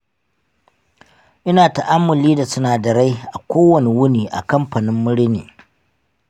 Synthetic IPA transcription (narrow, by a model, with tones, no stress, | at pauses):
ʔɪ˦naː˨ta˨ʔa˦mːʊ˨liː˦da˨sʊ˦naː˨dɐ˨ɽa˦jʔa˨kʷoː˦wɐ˨ne˨wʊ˦niː˨ʔa̰˨kɐ˦mɸa˨nɪ˦mːʊ˦ɽnḛː˨